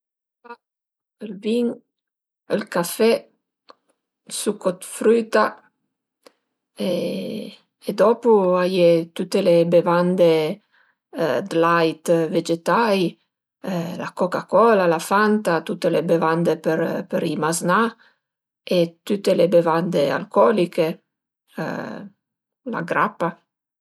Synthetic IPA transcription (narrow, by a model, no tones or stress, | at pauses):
a | əlbiŋ | əlkafɛ | sukot̪fɾyt̪a | e | d̪ɔpuajet̪ut̪ːelebevand̪e | d̪lajt̪ved͡ʒet̪aj | la̰kokakɔlalafant̪at̪ut̪ːelebevand̪epeɾpeɾimazna | et̪ut̪ːelebevand̪ea̰lkɔlikḛ | la̰ɡɾa̰pːa